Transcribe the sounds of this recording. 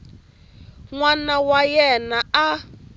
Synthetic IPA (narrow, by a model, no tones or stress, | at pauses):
ŋwanawajɛnaa